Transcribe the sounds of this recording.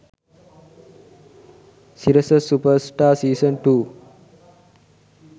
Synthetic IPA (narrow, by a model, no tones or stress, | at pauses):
siɾəsəsupəɾsʈaːsiːsənʈuː